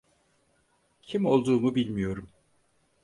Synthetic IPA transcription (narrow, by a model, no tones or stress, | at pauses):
cʰimo̞lˠd̪uːmubilʲmijo̞ɾum